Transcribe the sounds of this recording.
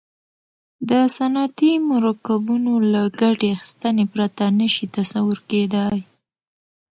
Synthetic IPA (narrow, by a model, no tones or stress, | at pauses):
d̪əsanat̪imʊɾɑkabunolaɡaʈeaxɪ̥st̪ənepɾat̪anəʃit̪asawʊɾked̪aj